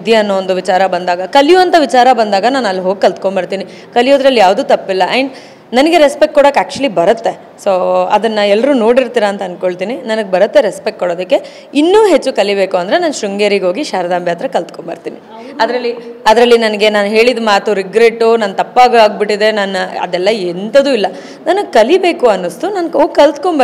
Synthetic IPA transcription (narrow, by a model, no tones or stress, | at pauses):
id̪jiɐnːoʋond̪uʋit͡ʃaːɾɐbɐnd̪aːɡɐkɐlijuʋɐnt̪ʰɐʋit͡ʃaːɾɐbɐnd̪aːɡɐnaːnɐlːɦoːɡ̚kɐlt̪koɳbɐɽt̪iːni | kɐlijoːd̪ɾɐlːjaːʋd̪uːt̪ɐpːilːɐʔeɳɖ | nɐnɐɡeɾespekʈ̚kːoɽokːaːk̚t͡ʃuɐlibɐɾɐt̪ːe̞ | soːɐd̪ɐnːɐɛlːɐɾuːno̞ːɽiɾt̪iːɾɐːnt̪ɐnkoɭt̪iːninɐnɐɡebɐɾɐt̪ːe̞ɾespekʈ̚koɽoːd̪ɐkːe̞ | inːuːɦe̞t͡ʃːukɐlibeːkuɐnd̪ɾe̞naːnʃɾuŋɡeɾiɡɦo̞ːɡiʃaːɾɐd̪aːmbjaːt̪ɾɐkɐlt̪koɳbɐɾt̪iːni | ɐd̪ɾɐlːiɐd̪ɾɐlːinɐnɐɡe̞naːnɦe̞ːɭid̪maːt̪uɾiɡɾeːʈːunaːnt̪ɐpːaːɡaːɡ̚biʈːid̪e̞nanɐɐ̰d̪ɛlːɐent̪ɐd̪uːilːɐ | nɐnɐɡkɐlibe̞ːkuɐnːust̪unaːnoɡkɐlt̪koɳbɐ